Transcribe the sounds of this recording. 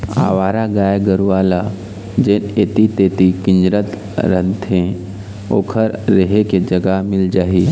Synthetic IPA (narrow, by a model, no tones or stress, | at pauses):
a̰ːʋaːɾaɡaːjɡəɾuaːla | d͡ʒeːneːt̪it̪eːt̪ikɪ̃ɲd͡ʒɾət̪ | ɾə̃nt̪ɦẽ | o̰ːkʰəɾːəɦeked͡ʒəɡamɪld͡ʒaːɦi